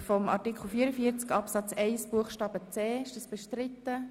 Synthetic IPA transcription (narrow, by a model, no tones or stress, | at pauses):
fɔmɑ̰ɾtikχl̩fiəɾəfiːəɾt͡skɑpsɑt͡sɛɪsb̥uəχʃtɑːb̥ət͡sɛːɪʃdəsb̥əʃtɾɪt̪ːə